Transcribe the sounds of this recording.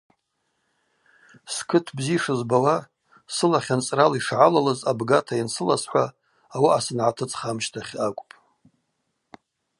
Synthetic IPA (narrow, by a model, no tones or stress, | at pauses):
skʰɨtʰbziʂɨzbawa | sɨlaχʲant͡sʼraliʂʕalalazabɡatʰajinsɨlasħʷaː | waasɨnʕatʰɨt͡sʼχamʃtʰaχʲakʷʼpʼ